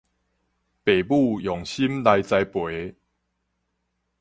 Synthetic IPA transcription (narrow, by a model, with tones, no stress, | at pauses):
pe˨˩bu˥˧˨jɔ˨˩ŋɕi˦mla˧jt͡sa˧jpwe˨˦